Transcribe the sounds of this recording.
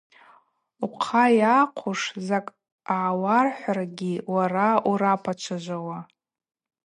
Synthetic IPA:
uqʰajaqʷʰuʂzakʼ | aʕːwarħʷaraɡʲiwarauɾapʰat͡ʃʷʰaʒʷawa

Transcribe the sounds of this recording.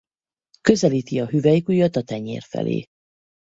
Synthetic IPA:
køzɛliːt̪iɒɦyvɛjikujɒt̪ːɒt̪ɛɲḛːrfɛ̰lḛː

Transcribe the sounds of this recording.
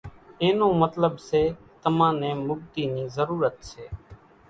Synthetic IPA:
eːnõːmət̪ləbseː | t̪əmãːnẽːmʊb̚t̪iːniːzəɾuːɾət̪seː

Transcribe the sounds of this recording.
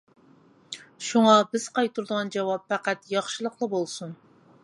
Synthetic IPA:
ʃuŋɑbɪz̥qʰɑjt̪ʰuɾd̪əʁɑnd͡ʒɑwɑpfæqæt̪jɑχʃɨlˠəqlˠəbolˠsun

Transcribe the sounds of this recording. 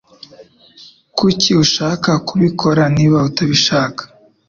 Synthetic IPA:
kuciuʃaːkakuβikʰo̞ɾaniβautaβiʃaːkḁ

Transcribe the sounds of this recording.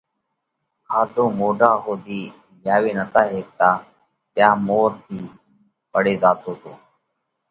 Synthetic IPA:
kʰaːt̪oːmoːɖaːɦoːd̪iː | ljaːʋeːnət̪aːɦeːt̪aː | t̪jaːmoːɾt̪ʰiː | pəɽeːzaːt̪oːt̪oː

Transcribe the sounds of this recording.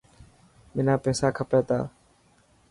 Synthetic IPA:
mɪnaːpeːsaːkʰəpeːt̪a̰ː

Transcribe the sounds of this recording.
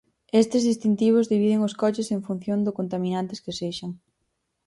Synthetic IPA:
est̪ɪzðist̪int̪iβ̞ʊzðiβiðɪŋʊskɔt͡ʃɪseɱfun̟θjond̪ʊkont̪aminant̪ɪskɪseʃaŋ

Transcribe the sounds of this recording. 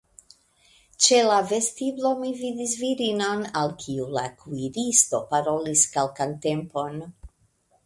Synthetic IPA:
t͡ʃelave̞stiblo̞mivid̪is̬viɾinonalkʰiulakʰuiɾisto̞paɾo̞liskalkante̞mpo̞n

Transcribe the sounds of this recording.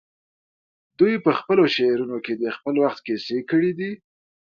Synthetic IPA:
d̪ujpəxpəloʃeɾunoked̪expəlwaxt̪kesekəɽid̪i

